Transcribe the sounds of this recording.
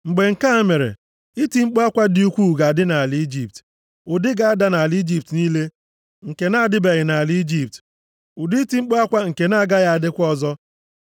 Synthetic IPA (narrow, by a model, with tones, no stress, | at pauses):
ŋ͡m̩˨ɡ͡be˨ŋ̩˨ka˦a˦me˨ɾḛ˨ | i˦ti˦ŋ͡m̩˦k͡po˦a˦kʷa˦dɪ˦u˦kʷu˦˨ɡa˨a˨dɪ˦na˨li˨˦d͡ʒi˨p̚t | ʊ˨dɪ˦ɡa˦a˦da˦na˨li˦d͡ʒi˨p̚tniː˦le˦ | ŋ̩˨ke˨na˦a˨dɪ˦be˨ɣɪ˨na˨a˨li˦d͡ʒi˨p̚t | ʊ˨di˦ti˨ŋ͡m̩˦k͡po˦a˦kʷa˦ŋ̩˨ke˨na˦a˨ɡa˦ja˨a˨dɪ˦kʷɔ˦zɔ˦